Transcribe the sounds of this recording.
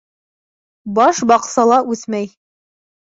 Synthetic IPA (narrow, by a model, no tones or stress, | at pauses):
bɑʃbɑqsɑlˠɑʔʉθmæj